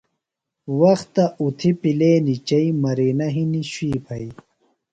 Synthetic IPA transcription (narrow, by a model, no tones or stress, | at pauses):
wɐxt̪ɐut̪ʰipileːnit͡ɕɐimɐɾiːnɐɦiniɕiːpʰɐi